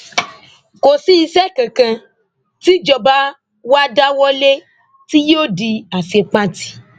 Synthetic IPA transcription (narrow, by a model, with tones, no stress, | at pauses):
ko˨si˦i˧sɛ˦kã˨kã˧ | t̪i˦d͡ʒɔ˨ba˦ | wo˦a˦da˦wɔ˦le˦ | t̪i˦jo˦ɖi˧a˨se˨k͡pã˦t̪i̥˦